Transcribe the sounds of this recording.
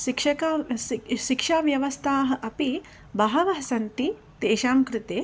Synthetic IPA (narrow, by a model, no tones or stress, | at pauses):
ʃikʂɐkaʃikʂaːʋjɐʋɐst̪ʰaːɦɐ̆ʔɐpi | bɐɦɐʋɐɦɐsɐnt̪i | t̪eːʃaːmkɾɪt̪eː